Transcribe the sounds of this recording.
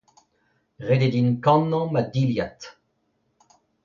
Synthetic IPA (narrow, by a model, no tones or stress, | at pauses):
ʁed̪ed̪inkɑ̃nːɑ̃mad̪iljat̪